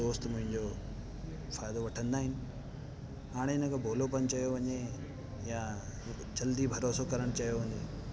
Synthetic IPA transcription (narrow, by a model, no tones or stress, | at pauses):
oːst̪mʊ̃ɦɪ̃ɲd͡ʑo | faːjd̪oʋɐʈʰə̃nd̪aːɦɪnɪ̆ | aːɽ̃eɪnə̃kʰobʱoːlopɐnt͡ɕɐjoʋɐɲe | ja | d͡ʑɐld̪ibʱɐɾoːsokɐɾəɽ̃t͡ɕɐijoɦũːnd̪eː